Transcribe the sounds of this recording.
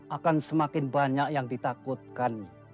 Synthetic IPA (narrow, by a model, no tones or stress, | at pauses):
ʔakansəmakɪnbaɲakjaŋdit̪akʊt̪̚kan